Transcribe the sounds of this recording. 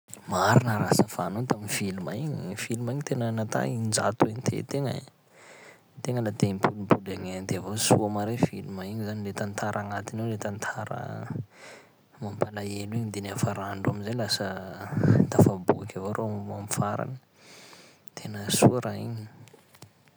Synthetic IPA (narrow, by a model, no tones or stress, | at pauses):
maɾinəɾasəfanot̪aminfilumaiɲifilumaiɲit̪enənat̪a̰ind͡za̰t̪uiɲit̪ʰḛt̪eŋə̰ | t̪eŋəlat̪eimpʰulimpulaŋand̪eavosṵamaɾefilumaiɲizanilet̪ant̪ʰaɾʔaŋat̪inewlet̪ant̪ʰaɾə̰ | mampalaeluiɲid̪enafaɾaɳɖ͡ʐuamizelasə | t̪afabukakavaɾʔoamamfaɾa̰ni̥ | t̪ʰenəsuaɾaiɲi̥